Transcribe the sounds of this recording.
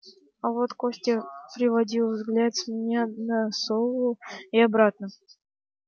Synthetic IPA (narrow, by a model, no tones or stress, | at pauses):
ɐvot̪kosʲtʲəpɾʲɪvɐdʲilˠvzɡlʲat̪sʲmʲɪnʲanəsovˠʊjiɐbɾat̪̚nə